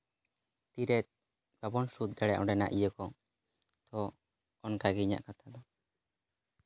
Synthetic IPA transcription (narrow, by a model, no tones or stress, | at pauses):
t̪iɾɛt̪̚ˀ | babɔnsut̪̚ˀd̪aɽa̰ʔɔɖɛna̰ʔijəkɔ | t̪ɔː | nkaɡiɲa̰ʔkat̪ʰad̪ɔ